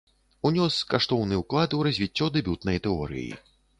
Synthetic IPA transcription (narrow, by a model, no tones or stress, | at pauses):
unʲɔskaʂt̪ɔwnɨuklˠad̪ɨuɾɐzʲvʲit͡sʲːɔd̪ɛbʲut̪nɐjt̪ɛɔ̰ɾɨ̰jḭ